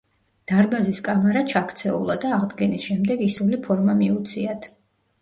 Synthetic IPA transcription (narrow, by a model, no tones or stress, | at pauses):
d̪̥aɾbaziskʼamaɾat͡ʃʰakʰt̪sʰɛṵlˠad̪aːʁd̪ɡɛnisʃɛmd̪ɛɡisulipʰɔɾmamiut̪sʰiat̪ʰ